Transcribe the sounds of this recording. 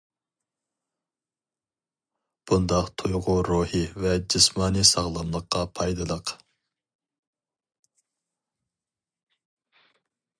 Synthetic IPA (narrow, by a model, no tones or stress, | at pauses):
b̥und̪ɑqt̪ʰujʁʊɾuhɨvɛd͡ʒismɑːnɨsɑʁlˠɑmlˠəqʰːɑpʰɑjd̪ɨlˠəq